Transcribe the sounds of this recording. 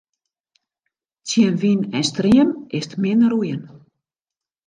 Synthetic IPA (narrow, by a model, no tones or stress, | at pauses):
t͡siənʋinɛnstriəmɪstmɪnrujən